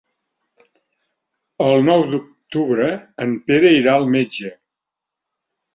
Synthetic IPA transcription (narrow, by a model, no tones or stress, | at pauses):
əlˠnɔwd̪uk̚t̪uβɾəːmpeɾəiɾaəlˠmed͡ʒə